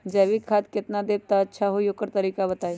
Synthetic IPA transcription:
d͡ʒɐːʋikʰaːt̪̚kɪt̪nad̪eːb̚t̪aɐtːʃʰaɦojokəɾt̪əɾiːkabɐt̪aːe

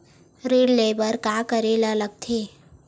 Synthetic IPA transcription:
ɾeɖlebəɾkakəɾelaləɡ̚t̪ʰe

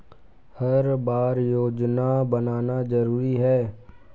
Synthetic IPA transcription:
hɐɾbaːɾjoːd͡ʒnabənaːnazəɾuːɾiɦɛː

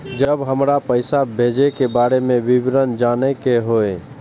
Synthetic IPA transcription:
d͡ʒəbɦəmɾapəɪsabʱed͡ʒekebaːɾemẽbibɾənd͡ʒaːnekeɦoe

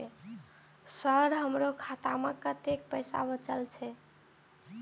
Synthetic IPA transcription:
səɾɦəmɾokʰat̪amekət̪ek̚pəɪsa̰bət͡ʃəlt͡ʃʰɛ

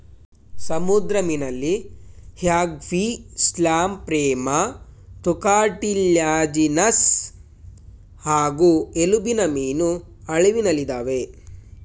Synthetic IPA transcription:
sɐmud̪ɾɐminɐlːihjaːɡʋislaːmpɾɛːmɐt̪ukaːʈiljaːd͡ʒinɐs | haːɡuelubinɐmiːnu | ɐɭeʋinɐlid̪aːʋe

